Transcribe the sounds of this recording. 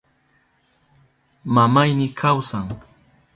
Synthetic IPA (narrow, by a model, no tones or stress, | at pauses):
mamajnɪkʰawsaŋ